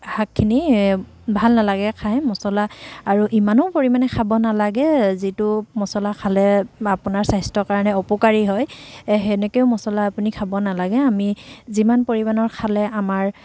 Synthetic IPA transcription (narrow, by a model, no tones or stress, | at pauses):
hakʰːini | bʱalnalaɡɛkʰajmɔsɔlaːɹuʔimanɔpoɹimanɛkʰabɔnalaɡɛzitʊmɔsɔlakʰalɛapunaɹsajstɔkaɹanɛɔpɔkaɹiɦɔjɦɛnɛkeʊmɔsɔlaːpunikʰabɔnalaɡɛamizimanpoɹimanɔɹkʰalɛʔamaɹ